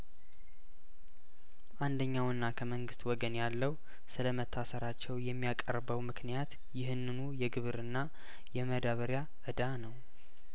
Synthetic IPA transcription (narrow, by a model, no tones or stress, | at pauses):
ʔand̪əɲːawɨnːakʰəməŋɡɨst̪wɔɡənjalːəw | sɨləmət̪ʰːasəɾat͡ʃːɛwjɛmːijakʼə̰ɾbəwmɨknijat̪ | jɪhɨnːɨnujɛɡɨβɨɾɨnːa | jɛməd̪aβəɾja | ʔɨd̪anəw